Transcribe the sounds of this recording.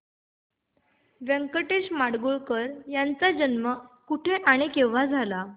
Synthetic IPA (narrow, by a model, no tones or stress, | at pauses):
ʋəŋkəʈeɕmaɽɡuɭkəɾjant͡sad͡ʑənməkuʈʰeʔaɽ̃ikeʋ̤ad͡zʱala